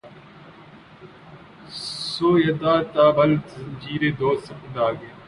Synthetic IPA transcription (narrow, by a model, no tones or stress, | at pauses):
soːjəd̪aːt̪aːʋəld͡ʒiːɾeːd̪oːsəpəd̪aːɡeː